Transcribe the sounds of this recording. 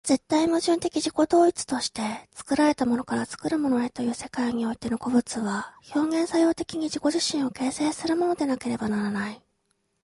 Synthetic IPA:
z̥e̞t̪ːaimɯʑɨ̃nt̪e̞kʲiʑiko̞d̪o̞ːit͡sɨ̥t̪o̞ɕi̥t̪e̞t͡sɨ̥kɯ̟ɾaɾe̞t̪amo̞no̞kaɾat͡sɨ̥kɯ̟ɾɯ̟mo̞no̞e̞t̪o̞jɯ̟ːse̞kaiɲ̟io̞it̪e̞no̞ko̞bɯ̟t͡sɨβaço̞ːŋẽ̞ɰ̃sajo̞ːt̪e̞kʲiɲ̟iʑiko̞ʑiɕĩɰ̃o̞ke̞ːse̞ːsɨɾɯ̟mo̞no̞d̪e̞nake̞ɾe̞banaɾanai

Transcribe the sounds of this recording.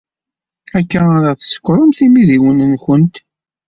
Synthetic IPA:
ækːææɾˤæθəsə̥kʷːɾˤʊmθimiðiwənənçənt̪

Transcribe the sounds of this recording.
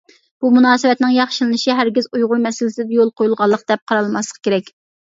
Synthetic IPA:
b̥umunɑːsɨwɛt̪nɪŋjɑχʃɨlˠɨnɨʃiɦæɾɡʲizujʁʊɾmɛsɪlɪsɪd̪ɛjolˠqʰojulˠʁɑlˠːəq̚d̪̥ɛp̚qʰɑɾɑlˠmɑslˠə̥qʰkʲeɾɛkʲ

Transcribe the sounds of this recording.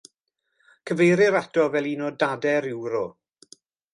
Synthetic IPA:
kʰəvejɾɪɾatɔvɛlˠinɔdadɛɾɪwɾɔ

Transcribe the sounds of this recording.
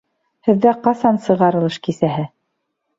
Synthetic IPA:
hɘ̆ðːæqɑsɑnsɤ̆ʁɑɾɤ̆lˠɤʃkisæɦɘ

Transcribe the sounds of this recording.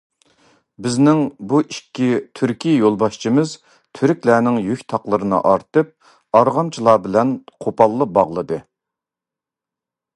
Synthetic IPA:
bɪznɪŋbuikʲːit̪ʰyɾkʲʰijolˠbɑʃt͡ʃʰimɨz | t̪ʰyɾykʲlæːnɪŋjykʲt̪ʰɑqlˠɨɾɨnɨ̰ʔɑɾt̪ɨp̚ | ɑɾʁɑmt͡ʃʰilˠɑːbɪlɛnqʰopɑlˠːəbɑʁlˠɨd̪ɨ

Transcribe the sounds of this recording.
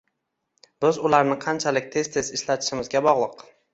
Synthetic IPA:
b̥ɪzʊlaɾnɪqʰɑnt͡ʃʰalɪkʲt̪ʰe̞z̥t̪ʰe̞zɪʃlat̪ʰɪ̥ʃɪmɪzɡʲabɒʁlˠɨq

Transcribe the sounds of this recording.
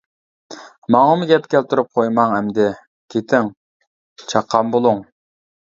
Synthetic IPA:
mɑŋɑmʊɡʲɛpkʲʰɛlt̪ʰuɾup̚qʰojmɑŋɛmd̪ɪ | kʲʰet̪ʰɪŋ | t͡ʃʰɑqʰːɑmbolˠʊŋ

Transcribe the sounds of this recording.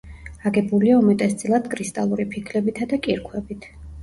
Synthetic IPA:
aɡɛbuliaumɛt̪ʼɛst̪sʼilˠad̪̥kʼɾist̪ʼalˠuɾipʰikʰlɛbit̪ʰad̪akʼiɾkʰwɛbit̪ʰ

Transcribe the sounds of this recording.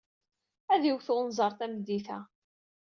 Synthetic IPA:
æðiwθʊnzˤɑɾˤθæmd̪ːiθæ

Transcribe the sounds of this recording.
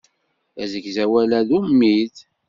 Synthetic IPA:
æzəɡzæwælæðumːið

